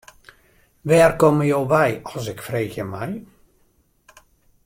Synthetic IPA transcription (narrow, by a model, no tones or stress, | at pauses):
ʋɛːrkɔməjoːʋɛjɔsɪkfreːxjəmɛj